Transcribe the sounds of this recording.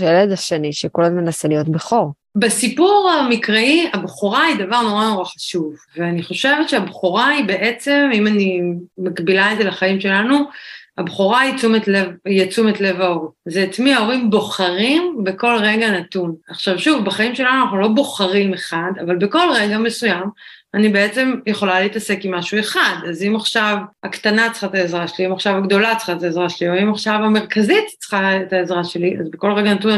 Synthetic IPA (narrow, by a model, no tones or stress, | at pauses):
eledaʃeniʃekolamenaselijo̞t̪beχoʁ | besipuʁamikʁeiabχoʁaid̪avaʁno̞ʁano̞ʁaχḁʃuvveaniχo̞ʃe̞vet̪ʃeabχoʁaibe̞ʔet͡se̞mimanimakbilaezelaχaimʃe̞lanuabχoʁait͡sumetlevjat͡sumet̪le̞vaoʁzeat͡smiao̞ʁimbo̞χaʁimbe̞ko̞lʁe̞ɡanat̪unaχʃavʃuvbeχaimʃe̞lanuanaχnulo̞bo̞χaʁimeχadavalbeko̞lʁe̞ɡame̞sujam | anibe̞et͡se̞mjeχo̞laleitase̞kimːaʃue̞χadazimaχʃavakt̪anat͡sχaet̪aezʁaʃeliimaχʃavaɡd̪o̞lat͡sχaet̪aezʁaʃelioimaχʃavame̞ʁkazit̪t͡sχaet̪aezʁaʃe̞liʔa̰zbeko̞lʁeɡanatun